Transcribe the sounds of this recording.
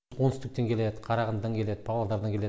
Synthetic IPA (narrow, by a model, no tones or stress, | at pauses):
wonst̪ɪk̚t̪eŋkʲʰe̞le̞d̪əqʰɑɾɑʁənd̪ɑŋkʲʰe̞le̞d̪ɪpʰɑʁɑlˠd̪ɑɾd̪ɑŋkʲʰele